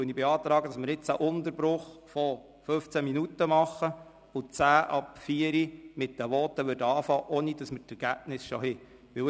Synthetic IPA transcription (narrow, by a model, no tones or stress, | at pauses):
œnibɛɑːt̪ɾɑːɡədɑsməɾɪt͡sæʔʊnt̪əɾbɾʊχfɔ | fɵft͡sæminutːəmɑχːə | ʊt͡sæːʔɑpfiːəɾimɪtd̥əʋɔːt̪ːəʋʏɾdəɑːfɑːʔoːnid̥ɑsmətɛɾɡ̥æb̥nɪsʃohɪ | ʋɪ